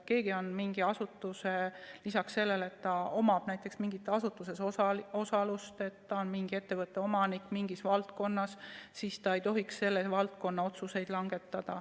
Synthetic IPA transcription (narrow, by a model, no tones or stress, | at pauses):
ke̞ːɡ̥io̞nmiŋɡ̥iɑsut̪ːˑuselisɑksːe̞lːe̞le̞t̪ːɑo̞mɑb̥næjt̪ːˑe̞ksmiŋɡit̪ːˑɑsut̪ːˑuse̞soɑo̞sɑlust̪e̞t̪ːɑonmiŋɡ̥ie̞t̪ːe̞vɤt̪ːˑe̞o̞mɑnikːˑmiŋɡisvɑlt̪̚ko̞nːɑssist̪ɑe̞jt̪o̞ɦiksse̞lːevɑlt̪̚ko̞nːɑo̞t̪suse̞jd̪̥lɑŋɡ̥e̞t̪ˑːɑd̪̥ɑ